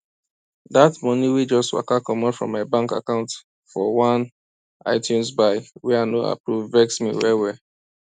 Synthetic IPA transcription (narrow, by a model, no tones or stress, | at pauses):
datmɔniwid͡ʒɔstwa̰kakɔmɔnfɹɔ̰̃mːaɪbãŋka̰kãʊ̃nt | fɔwãn | aɪtʰjũnsbaɪwɛanoa̰pɹuvvɛksmḭwɛwɛ